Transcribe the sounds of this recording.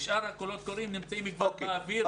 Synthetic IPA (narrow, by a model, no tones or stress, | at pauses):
ʃʔaɾhakolo̞t̪̚koɾimnimt͡saimikbabaːvi